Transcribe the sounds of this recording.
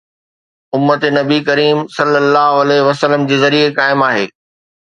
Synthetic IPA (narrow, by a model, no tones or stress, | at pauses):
ʊmːət̪enɐbikɐɾiːmsɐlːəlːaːɦoɐleʋɐsələmd͡ʑeːzɐɾiekaːɪmaːɦeː